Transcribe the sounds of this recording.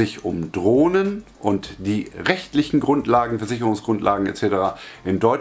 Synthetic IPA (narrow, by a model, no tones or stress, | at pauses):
ɪçʊ̰mdʁoːnənʔʊntd̥iːʁɛçtlɪçn̩ɡʁʊntlaːɡŋ̩fɛɐzɪçəʁʊŋsɡ̥ʁʊntlʔa̰ːɡŋ̩ḛt͡sɛːtəʁaːʔɪndɔʏ